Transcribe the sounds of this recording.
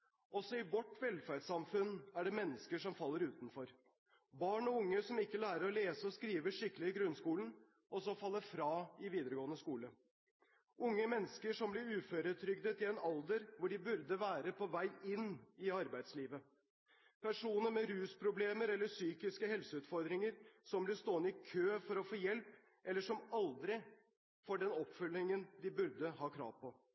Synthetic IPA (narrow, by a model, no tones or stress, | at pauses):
ɔsɔɪʋɔʈʋɛlfæɖsɑmfʉnæɖɛmɛnːəskəʂɔmfɑlːəɾʉːt̪nfɔɾ | bɑːɳɔʊŋːəsɔmɪkːəlæːɾəɾɔleːsəɔskɾiːʋəʂɪkːəlɪɪɡɾʉnskuːlən | ʔɔsɔfɑlːəfɾɑːɪʋiːd̪əɾəɡoːənəskuːlə | ʔʊŋːəmɛnːəskəʂɔmblɪɾʉːføːɾət̪ʰɾʏɡ̚d̪ət̪ɪlɛnɑld̪əɾʋʊɖɪbʉɾd̪əʋæːɾəpʰɔʋæɪɪnːɪɑɾbæɪd̪sliːʋə | pʰæʂuːnəɾmɛɾʉːspʰɾʊbleːməɾɛlːəsyːkɪskəhɛlsəʉːt̪fɔɾd̪ɾɪŋəɾsɔmblɪst̪oːənɪkʰøːfɔɾɔfoːjɛlp | ʔɛlːəʂɔmɑld̪ɾɪ | fɔɖɛnɔpfʏlːɪŋənd̪ɪbʉɾd̪əɦɑːkʰɾɑ̰ːʋpʰɔ